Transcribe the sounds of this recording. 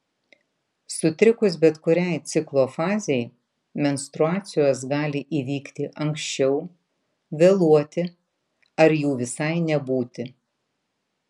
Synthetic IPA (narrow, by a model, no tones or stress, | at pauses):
sʊt̪ʲɾʲɪkʊsbʲɛt̪kʊɾʲɛˑɪt̪sʲɪklˠoːfɑːzʲɛj | mʲɛnʲst̪ɾʊɑːt̪sʲɪjoːs̬ɡɑːlʲɪʔiːʋʲiːkt̪ʲɪʔɐŋkʃʲt͡ʃʲɛʊ | ʋʲelˠuɔt̪ʲɪ | ɐɾjuːʋʲɪsɐɪnʲɛbuːt̪ʲɪ